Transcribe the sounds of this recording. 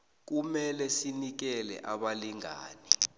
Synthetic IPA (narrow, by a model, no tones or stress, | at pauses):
k̬umɛlɛsinik̬ɛlɛ̰ʔaɓaliŋa̰ːni